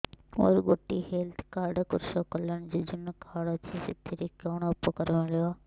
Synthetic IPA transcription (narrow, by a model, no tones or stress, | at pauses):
oːɾɡoːʈːiɦeːlt̪ʰkaːɾɖkʊɾʃokɐləɽ̃d͡ʑiːd͡ʑʊnkʰaːɽot̪ʰisɪt̪ʰiɾikoːɽ̃ɐpokɐɾmɪljoaː